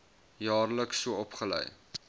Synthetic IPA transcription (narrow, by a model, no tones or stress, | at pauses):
jɑːrləksːuəɔpχələ̰j